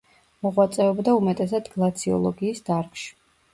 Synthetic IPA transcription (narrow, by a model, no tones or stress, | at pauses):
mɔʁwat̪sʼɛɔbd̪aumɛt̪ʼɛsat̪ɡlˠat̪sʰiɔ̰lˠɔɡiːsd̪aɾkʼʃi̥